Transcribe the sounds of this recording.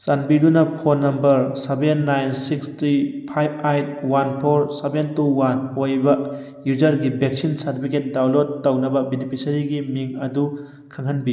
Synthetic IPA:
sanbidunɐpʰonːɐmbɐɾsebenːajnsikst̪ɾipʰajb̚ajt̚wanpʰoɾsebentuwanojbɐ | jud͡ʒɐɾɡibek̚sinsɐɾtipʰiket̚dawlod̚ːɐwnɐbɐbenipʰisɐɾiɡimiŋɐdu | kʰaŋhɐnbi

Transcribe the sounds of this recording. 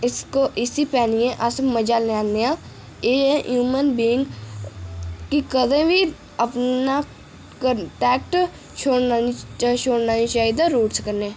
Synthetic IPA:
ɪskoʔɪsipɛːnijẽʔəsməd͡ʒaːlnaːnneã | ẽːɦjuːmənbiːɪ̃ŋɡ | kikəd̪ẽbʱi | əpna | kəʈɛːk̚ʈ | ʃoːaiʃoːɽnaːĩʃaːid̪aɾuːʈskəɾneː

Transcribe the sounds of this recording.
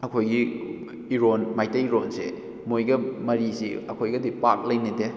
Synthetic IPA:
ɐkʰojɡi | iɾonmajtɐiɾonse | mojɡɐmɐɾisḭɐkʰojɡɐdipak̚lɐjnite

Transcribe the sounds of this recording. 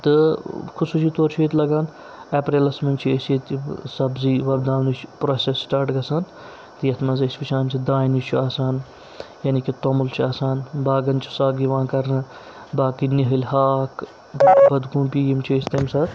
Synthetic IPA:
t̪ɨkʰusuːsit̪oːɾt͡ʃʰeːt̪lɐɡãːn | eːpɾeːlɐsmɐnt͡ʃʰiesit̪isɐbziːʋɐbd̪aːʋnit͡ʃʰpɾoːsesːʈaːɾʈɡɐsaːn | t̪ɨjɐt̪ʰmɐzɐsʲpit͡ʃʰaːnmʲsʰid̪aːinit͡ʃʰuaːsaːn | jɐːnikit̪omult͡ʃʰiaːsaːnbaːɡɐnt͡ʃʰi̥saːɡiʋãːkɐɾnɨ | baːkiniɦɐlʲhaːk | bɐd̪ɡuːnpiːjimt͡ʃʰiesʲt̪ɐmʲsɐt̪

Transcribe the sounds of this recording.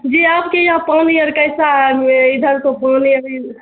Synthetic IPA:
d͡ʒiapkejapaniɾkəjsaeid̪ʱəɾkopaniəɾi

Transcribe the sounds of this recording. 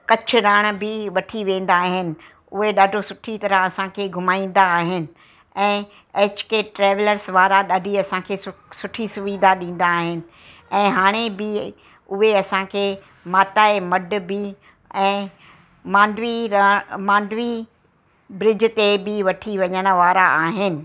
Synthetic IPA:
kɐt͡ɕʰʊɾaːɽ̃̆bɪʋɐʈʰiʋẽːn̆d̪aːɦɪnɪ̆ | ʊɦeɗaːɖʱosʊʈʰit̪ɐɾəɦɐsãkʰeːɡʱʊmaːĩːn̆d̪aːɦɪnɪ̆ | ɛ̃ː | eːt͡ɕkeʈɾeːʋləɾsʋaːɾaɗaːɖʱiɐsãkʰeːsʊʈʰisʊʋiːd̪aɗĩːn̆d̪aːɦɪnɪ̆ | ɛ̃ːɦaːɽ̃ebɪ | ʊɦeɐsãkʰeː | maːt̪aːemɐɖbɪ | ɛ̃ː | mãːnɖʋimãːnɖʋi | bɾɪd͡ʑ̆t̪ebɪʋɐʈʰiʋɐɲəñəʋaːɾaaːɦɪnɪ̆

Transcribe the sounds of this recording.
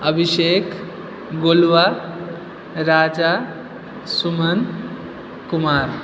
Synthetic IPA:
əbʱiʃekʰ | ɡolʋa | ɾaːd͡ʒa | sumən | kumaɾ

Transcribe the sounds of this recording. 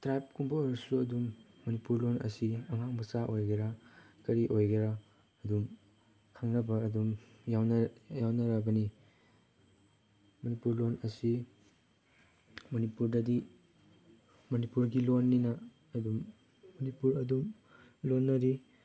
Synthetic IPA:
tɾajp̚kumbɐoɾɐsuɐdumː | ɐnipuɾlonɐ̰siɐŋaŋmɐsaʔojɡiɾakɐɾiʔojɡɐɾa | ɐdum | kʰaŋnɐbɐːdum | jawnɐjawnɐɾɐbɐni | mɐnipuɾlonɐsi | mɐnipuɾdɐdi | mɐnipuɾɡilonːinɐː | dumː | ɐnipuɾɐdum | lonːɐɾi

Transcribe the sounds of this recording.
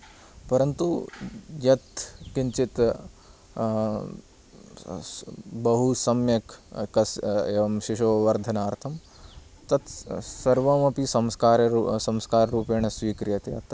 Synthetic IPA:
pɐɾɐnt̪ujɐt̪kint͡ʃit̪ | bɐɦusɐmjɐkkɐseʋɐmʃiʃoːʋɐɾd̪ʱɐnaːɾt̪ʰɐm | t̪ɐt̪sɐɾʋɐmɐpisɐmskaːɾɐɾsɐmskaːɾɐɾuːpeːɳ̃ɐsʋiːkɾijɐt̪eɐ̰t̪

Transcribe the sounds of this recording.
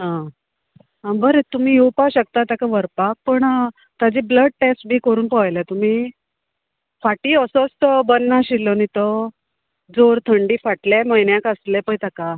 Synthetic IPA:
ɦã | ɦãbəɾet̪um̤iːɦewpaɕək̚t̪at̪jakaʋəɾpak̚pəɳ | t̪ad͡ʑiːbləɖ̚ʈesʈ̚bʱiːkəɾuːnpəjlat̪um̤iː | faʈiːəsot͡st̪ɔbənːaɕilːɔnit̪ɔ | d͡zoɾt̪ʰəɳɖiːfaʈljeməjnjãkəslepəjt̪aka

